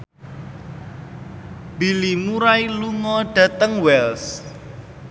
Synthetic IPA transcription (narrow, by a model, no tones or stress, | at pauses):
b̥ilimuɾailuŋɔɖ̥ä̤t̪əŋwɛls